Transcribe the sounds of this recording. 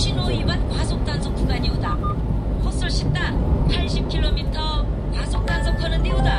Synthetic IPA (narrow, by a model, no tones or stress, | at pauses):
ɕʰinoiwankwasʰok̚t͈ansʰok̚p͈uɡaɲiuda | hos͈ɯɭɕ͈it͈anpʰaɭɕʰip̚kʰiɭːomitʰʌ | kasʰok̚t͈ansʰʌkʰʌnɯndeuda